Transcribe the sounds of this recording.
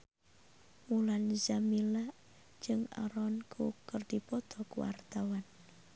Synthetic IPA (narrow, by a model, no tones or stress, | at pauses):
mulanzamilaʔ | d͡ʒɨŋa̰ɾɔnkʰukərdipɔt̪ɔkuwa̰rt̪awan